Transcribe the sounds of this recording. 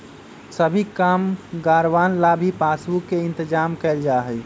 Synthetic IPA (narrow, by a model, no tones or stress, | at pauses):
səbʱikamɡaɾʋanlabʱipasukeɪnt̪əd͡ʒamkɛɪld͡ʒaɦəj